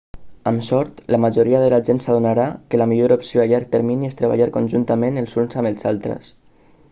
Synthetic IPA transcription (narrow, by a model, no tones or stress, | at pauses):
amsɔɾt̪lamaʒoɾiaðəlaʒensaðunaɾakəlamiʎoɾopsioaʎaɾk̚t̪əɾminiest̪ɾəβa̰ʎaɾkonʲʒunt̪əmenəlˠzunsaməlˠzalˠt̪ɾə̰s